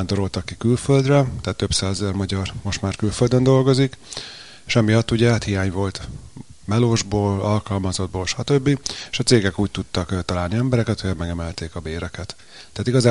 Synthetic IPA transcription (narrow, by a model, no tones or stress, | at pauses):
and̪o̞ɾo̞lt̪ɒkːikylføld̪rɛt̪ɛɦat̪ːø̞bsaːzɛzɛrmɒɟɒrmo̞ʃt̪maːrkylføld̪ønd̪o̞lɡo̞zik | eʃɒmijɒt̪ːuɟɛhat̪hijaːɲvo̞lt̪ | mɛloːʒboːlɒlkɒlmɒzod̪̚boːlʃɒt̪øbːieʃɒt̪seːɡɛkuːc̚t̪ut̪ːɒkt̪ɒlaːlniɛmbɛɾɛkɛt̪hojɛmɛɡɛmɛlt̪eːkɒbeːɾɛkɛt̪ː | ɛaːt̪iɡɒzaː